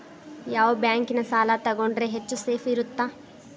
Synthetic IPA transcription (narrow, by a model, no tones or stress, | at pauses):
jaːʋobjaːŋkinɐsaːlaːt̪ɐɡoɳɖɾeːɦet͡ʃːuseːfʰiɾut̪ːaː